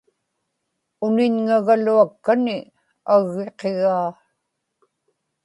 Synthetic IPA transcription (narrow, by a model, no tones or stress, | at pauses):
ʊnɪɲŋaɣaluakːanɪ | aɣːe̞qeɣaː